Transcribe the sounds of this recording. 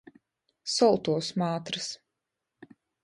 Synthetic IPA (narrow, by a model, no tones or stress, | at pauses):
sɔlˠt̪uɔsmaːt̪ɾɨs